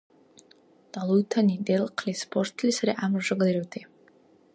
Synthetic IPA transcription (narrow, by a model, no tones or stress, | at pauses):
d̥alˠutʰanidelqʰlʲispʰort̪ʰlisaɾiʔamrʒɨɡliɾowt̪ʰe